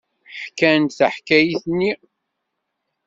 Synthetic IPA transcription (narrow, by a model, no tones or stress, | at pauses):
ħkːænt̪θəħkæjiθənːi